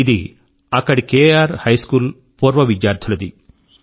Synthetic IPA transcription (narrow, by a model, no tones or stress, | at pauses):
id̪ḭ | ɐkːɐɽikeːaːɾhɐjskuːl | puːɾʋɐʋid͡ʒjaːɾd̪ʰʱulɐd̪i